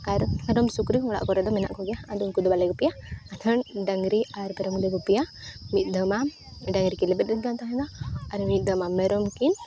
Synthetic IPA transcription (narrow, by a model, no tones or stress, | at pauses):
aɾmɛɾɔmsukɾikɔŋɔɽa̰ʔkɔɾɛd̪ɔmɛna̰ʔkɔɡɛjaad̪ɔunkud̪ɔbalɛɡɔpijaat̪ʰəɳɖaŋɡɾiaɾpɛɾɔmd̪ɛɡɔpijamit̪̚ˀd̪əma | ɖaŋɡɾikɛlɛbɛt̪̚ˀdɛɡant̪aɦɛ̃d̪aaɾmit̪̚d̪əmamɛɾɔmkin